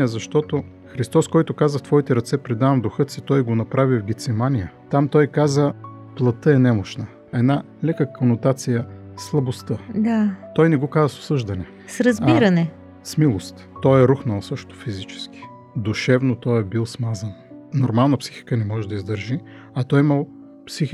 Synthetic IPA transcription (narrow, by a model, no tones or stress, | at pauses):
əzɐʃt̪ɔt̪o | xɾist̪ɔskɔjt̪ʊkazəft̪vɔit̪ɛɾɐt̪sɛpɾid̪avɐmd̪ʊxɤt̪sit̪ɔjɡonɐpɾavivɡʲit̪sɛmanijət̪amt̪ɔjkazəplˠɐt̪əɛnɛmoʃnə | ɛd̪na | lɛkəkʰonot̪at̪sijəslˠɐbost̪əd̪at̪ɔjnɛɡokazəso̥sɤʒd̪ɐnɛ | sɾɐzbiɾɐnɛ | smilˠost̪ːɔjɛɾuxnəlˠsɤʃt̪o̥fizit͡ʃɛ̥ski̥ | d̪uʃɛvnot̪ɔjɛbilˠsmazɐnnoɾmalˠnəpsi̥xi̥kənɛmɔʒɛd̪ɐizd̪əɾʒi | ɐt̪ɔjimɐlˠ | psixi